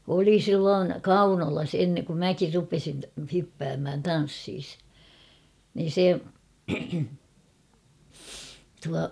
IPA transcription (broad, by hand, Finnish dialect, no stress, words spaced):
oli silːoːn kɑunolɑs en kum mækir rupesin tɑ hypːæːmhæn tɑn̞sːiːs niːn̞ se tuɑ